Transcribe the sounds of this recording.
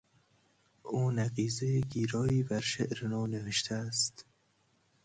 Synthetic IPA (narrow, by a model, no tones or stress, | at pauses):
uːnæqiːzeɡiːɾɒːiːbæɾʃeʔɾenɒːneveʃt̪ʰææst̪